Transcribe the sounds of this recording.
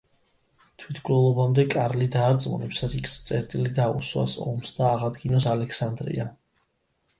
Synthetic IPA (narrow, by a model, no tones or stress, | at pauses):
t̪ʰwit̪ʰkʰʼuɾɛlˠɔbamd̪ɛkʼaɾlid̪aːɾt̪sʼmṵnɛpsɾikst̪sʼɛɾt̪ʼilid̪aṵswa̰sɔ̰msd̪aːʁad̪ɡinɔsalɛkʰsand̪ɾḭa